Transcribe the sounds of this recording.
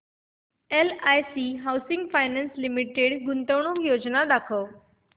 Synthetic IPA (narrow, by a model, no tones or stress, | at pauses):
elaːjsiɦawsɪ̃ŋɡfaːjnənslimiʈeɽɡʊnt̪əʋɳ̃ojoːd͡ʑnad̪aːkʰəʋ